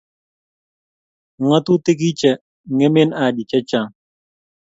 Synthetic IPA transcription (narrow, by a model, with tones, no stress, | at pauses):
ŋa˦t̪u˦tɪ˦ki˦t͡ʃɛ˨ | ŋe˦mɪ˦na˨di˨t͡ʃɛ˦t͡ʃa˦ŋ